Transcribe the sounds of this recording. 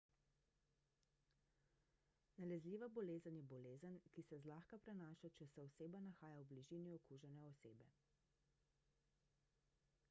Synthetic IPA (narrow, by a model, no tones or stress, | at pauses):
nalɛzliːʋabɔleːzənjɛbɔleːzənkisɛzlaːxkapɾɛnaːʃat͡ʃɛsɛɔseːbanaxaːjawbliʒiːniɔkuːʒɛnɛɔseːbɛ